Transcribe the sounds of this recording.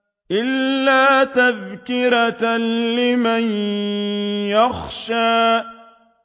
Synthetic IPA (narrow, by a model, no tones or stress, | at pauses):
ʔɪlːaːt̪aðkɪɾatlɪman | jaxʃaː